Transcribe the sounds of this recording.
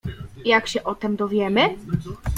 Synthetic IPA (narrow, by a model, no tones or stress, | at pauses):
jakɕɛʔɔt̪ɛmd̪ɔvʲjɛmɘ